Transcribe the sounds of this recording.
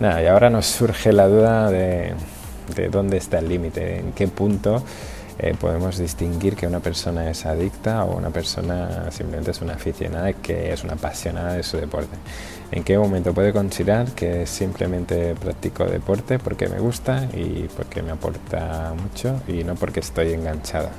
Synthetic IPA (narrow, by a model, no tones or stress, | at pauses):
naiao̞ɾano̞sːuɾxe̞lað̞uðaðe̞ | d̪ḛðo̞nd̪eːst̪aelːimit̪e̞̰ḛŋke̞punt̪o̞ | ḛpo̞̰ðe̞mo̞zðist̪iŋɡiɾke̞unape̞ɾso̞nae̞sað̞ikt̪ao̰ṵnʔa̰pe̞ɾso̞̰nasimplement̪esunaːfiθjo̞̰naðaikʰe̞̰esunapasjo̞naðaðesuðe̞po̞ɾt̪e̞ | ḛŋke̞mo̞mẽnt̪opwe̞ðe̞ko̞nsiðaɾke̞simplement̪e̞pɾak̚t̪iko̞̰ðḛpo̞ɾt̪e̞po̞ɾke̞̰mʔḛɣ̞ust̪aḭpo̞ɾke̞me̞apo̞̰ɾt̪amut͡ʃo̞ino̞po̞ɾkeːst̪o̞je̞ŋɡaɲt͡ʃaða̰